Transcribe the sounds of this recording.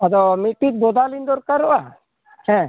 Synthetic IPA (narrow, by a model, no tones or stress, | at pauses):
ad̪ɔmiʈːit̪̚bɔd̪alind̪ɔɾkaɾːɔʔa | hɛ̃